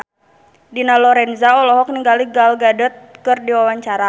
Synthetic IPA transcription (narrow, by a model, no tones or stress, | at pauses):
dinalɔɾɛnzaɔlɔɦɔk̚niŋɡaliɡalɡadət̪̚kɨrdiwawaɲt͡ʃaɾa